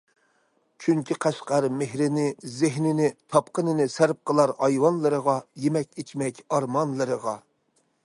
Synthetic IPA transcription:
t͡ʃʰyŋkʲʰiqʰæʃqɑɾmehɾɪnɪzɪɦnɪnɪt̪ʰɑpqənɨnɪsæɾp̚qʰəlˠɑɾhɑjwɑnlˠɨɾəʁɑjemɛk̚ʲet͡ʃʰmɛkʲɑɾmɑnlˠɨɾəʁɑ

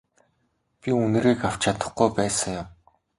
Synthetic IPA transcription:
pʲiunɘ̆ɾiːkaw̥t͡ɕʰat̪ə̥̆χɡujpæːsə̆ŋjʊm

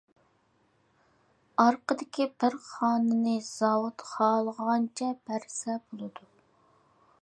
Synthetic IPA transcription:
ɑɾqəd̪ɪkʲibɪɾχɑːnɨnɪz̥ɑwut̪χɑːlˠəʁɑnt͡ʃʰɛbæɾsɛbolˠɨd̪u

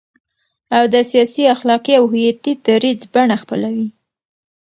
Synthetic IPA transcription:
awd̪əsijɑsiaxlɑqiawɦʊjat̪id̪aɾizbaɳaxpəlawi

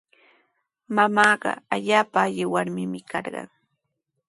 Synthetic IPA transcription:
mamaːɢɑ̰aʎaːpaːʎɪwaɾmɪmɪkɑɾɢɑ̰ŋ

